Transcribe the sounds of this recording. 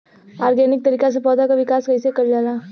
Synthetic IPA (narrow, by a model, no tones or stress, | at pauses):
aːɾɡɛːnɪk̚t̪ɐɾiːkasepɔːd̪akaʋɪkaːskɐisekɐɾd͡ʒaːlaː